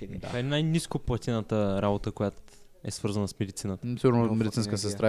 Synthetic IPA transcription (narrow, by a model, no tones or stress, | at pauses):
kaɛnajniskoplˠɐt̪inət̪əɾabot̪əkojat̪ | ɛsvɤɾzənəsmɛd̪it̪sinət̪əsiɡuɾnomɛd̪it̪sinskəs̬ɛst̪ɾa